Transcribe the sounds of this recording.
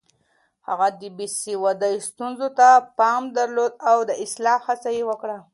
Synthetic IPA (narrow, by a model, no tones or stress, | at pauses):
ha̰ɣad̪ibisiwad̪əjst̪unzot̪apɑmd̪aɾlod̪̚awd̪əʔɪslɑhat͡sajewəkɽa